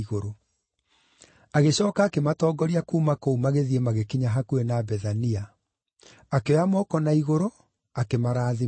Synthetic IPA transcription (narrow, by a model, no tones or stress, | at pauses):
iɣoɾo | aɣeɕɔːkaːkematɔːɡɔɾiakuːmakoumaɣeðiemaɣekiɲaɦakuenabɛðania | akeɔamɔːkɔnaiɣoɾo | akemaɾaːði